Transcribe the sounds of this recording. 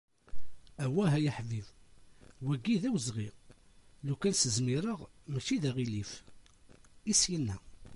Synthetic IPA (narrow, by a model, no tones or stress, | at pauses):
æwːæɦæjəħviv | wæɡːiðæwzʁiʁ | lukːænsəzmiɾəʁmæt͡ʃiðæʁilif | isjənːæ